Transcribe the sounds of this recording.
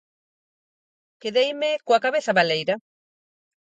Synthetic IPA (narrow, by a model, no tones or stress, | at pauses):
keðejmekoakaβeθaβalejɾa